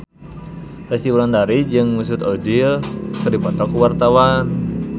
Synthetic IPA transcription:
rɛst̪iuɾandaɾid͡ʒɨŋmus̬ut̪ɔd͡ʒilkɨrdipɔt̪ɔkːuwart̪awan

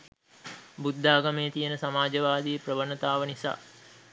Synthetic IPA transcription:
bud̪ʱːaːɡameːt̪ijənəsamaːd͡ʒəʋaːd̪ijəprəʋənət̪aːʋənisa̰ː

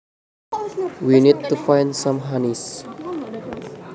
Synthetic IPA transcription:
winit̚ːufajnsãmɦanis

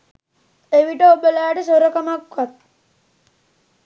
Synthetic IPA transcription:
eʋiʈəobəlaːʈəsoɾəkamakʋat̪̚

